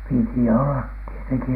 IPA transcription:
piti olːɑt tieteŋki

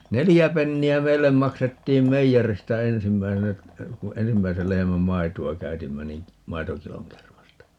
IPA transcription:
nelijæ penːiæ meilːem mɑksetːiːm meijeristæ ensimːæisenæ ku ensimːæisel lehemæm mɑituɑ kæytimːæ nin̞ mɑitokiloŋ kermɑstɑ

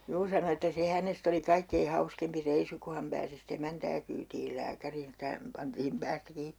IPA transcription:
juː sɑno etːæ se hænest oli kɑikːei hɑuskempi reisu ku hɑm pæːsi sit emæntæː kyːtiːl læːkæriːn ĕtːæ hæm pɑntiːm pæːstæ kiːp

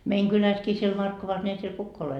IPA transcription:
meiŋ kylæskiː siel mɑrkːoʋɑs ne ei siel kukː ole

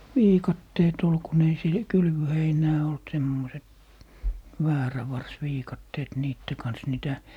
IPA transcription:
ʋiːkɑtːeːt ol kun ei se kylʋøheinæː olt semːoset ʋæːræʋɑrsʋiːkɑtːeːt niːtːe kɑns niˑtæ

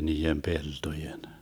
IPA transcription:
niːem peltojen

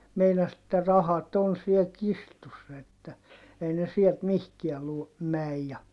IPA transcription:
meinɑs etːæ rɑhɑt on siel kistusːɑ etːæ ei ne siɛlt mihkiæ lu mæj jɑ

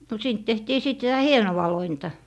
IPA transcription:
no siːnt tehtiː siˑt sitæ hienowɑ lointɑ

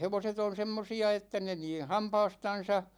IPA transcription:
heʋoset on semːosiɑ etːæ ne niː hɑmpɑːstɑn̞sɑ

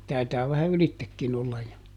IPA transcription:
tɑitɑː ʋæhæ ylitːekːin olːɑj jo joː

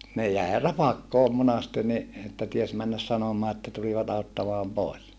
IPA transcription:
ne jæe rɑpɑkːoːm monɑste ni etːæ ties mænːæs sɑnomɑː etːæ tuliʋɑt ɑutːɑmɑːm poˑes

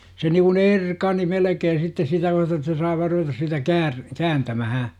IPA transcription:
se niːŋkun erkɑni melĕkeːn̞ sitːe sitæ myæte ĕtːæ sɑi ʋɑːr ruʋetɑs sitæ kæːr kæːntæmæhæ

